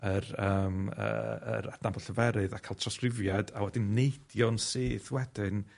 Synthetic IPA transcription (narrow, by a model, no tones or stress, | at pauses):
ərəːmə̰ə̰ɾad̥nabɔlˠɬəvɛɾɨðakʰaːlˠtʰrɔskrɪvjadawɛdinnːejd̥jɔnsiːθwɛdɨn